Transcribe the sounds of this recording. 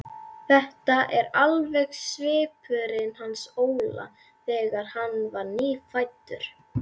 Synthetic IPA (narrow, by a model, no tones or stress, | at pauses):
θɛht̪aʔɛɾalvɛxsvɪːpʰʏɾɪnhansoːwla̰ | θɛːɣaɾ̥hanːvaɾniːfajt̪ːʏɾ̥